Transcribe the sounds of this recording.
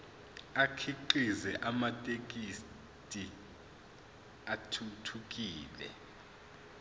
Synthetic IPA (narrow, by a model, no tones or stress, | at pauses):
akʰiǃizɛʔamatʼek̬ʼis | tʼi | atʰutʰuk̬ʼiːlɛ̰